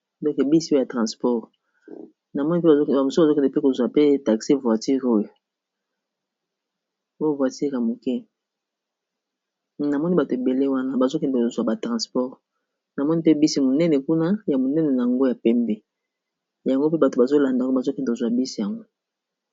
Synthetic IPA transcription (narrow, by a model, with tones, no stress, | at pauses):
dɔ˦ke˨bi˦si˦o˦jja˨tʁã˨spɔ˦ʁ | na˨mɔ˦ni˦p̬e˦ba˨o˦a˨mo˨so˦˨zo˦kɛ˨n˨dɛ˨pe˦ko˨zwa˨pe˦ta˨ksi˦vwa˨ti˦ʁo˦jo˨ | o˦jo˦vwa˨ti˦ʁa˨mo˨kɛ˦ | na˨mɔ˦ni˦ba˨to˨e˨be˨le˦wa˦na˦ba˨zo˦kɛ˨nde˨zwa˨ba˨tʁã˨spɔ˦ʁ | na˨mɔ˦ni˦pe˦bi˦si˦mo˨nɛ˦nɛ˨ku˦na˦ja˨mo˨nɛ˦nɛ˨na˨a˨ŋɡo˦ja˨pɛ˦mbe˨ | ja˨ŋɡo˦pe˦ba˨to˨ba˨zo˦la˨nda˨˦a˨zo˦kɛ˨ndko˨zwa˨bi˦si˦ja˨ŋɡo˦